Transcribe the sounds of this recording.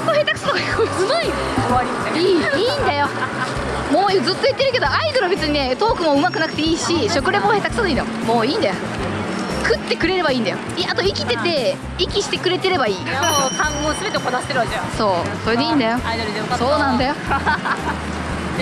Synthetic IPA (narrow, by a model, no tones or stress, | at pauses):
koɦhet̪akɯ̟sanoɡaosɨmoi | oaɾʲiiːiːnd̪ajo̞ | moːzɨt̪ːojɯt̪ːeɾɯ̟ke̞d̪oaid̪oɾɯbe̞t͡sɨɲ̟ine̞t̪o̞ːkɯ̟mo̞ɯ̟makɯ̟nakɯ̟t̪e̞iːɕiɕo̞kɯ̟ɾeboːhe̞ːt̪akɯ̟sad̪oĩːd̪ajomo̞ːiːnd̪ajo | kɯ̟t̪ːe̞kɯ̟ɾe̞ɾe̞baĩːnd̪ajo̞̰iat̪o̞ikʲi̥t̪e̞t̪e̞ | ikʲiɕi̥t̪e̞kɯ̟ɾe̞t̪e̞ɾe̞baiːkʰãŋɡoːsɨbe̞t̪ekonaɕt̪eɾɯaeãso̞ːso̞ɾe̞d̪e̞ĩːnd̪ajo̞aid̪oɾɯd̪eso̞ːnãnd̪ajo̞